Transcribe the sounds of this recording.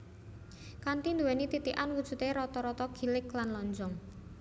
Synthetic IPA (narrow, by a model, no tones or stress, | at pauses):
kant̪ind̪uwɛnit̪it̪iʔanwud̥ʒ̥ṳt̪eɾɔt̪ɔɾɔt̪ɔɡ̥i̤lɪklanlɔɲd͡ʒɔŋ